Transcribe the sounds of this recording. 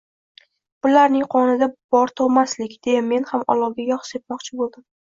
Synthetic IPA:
b̥ʊlaɾnɪŋqʰɒnɪd̪ab̥ɒɾt̪ʰɒmaslɪkʲd̪̥e̞jame̞nhamɒ̰lˠɒwɡʲajɒχse̞t̪̚mɒqt͡ʃʰɪbolˠd̪ɪm

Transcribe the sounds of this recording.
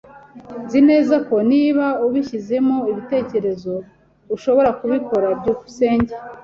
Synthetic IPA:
zine̞ːzako̞niːβauβiçize̞moiβite̞ːce̞ɾe̞zo̞ | uʃo̞βo̞ɾakuβiko̞ɾabɟuːku̥se̞ːɲɟe

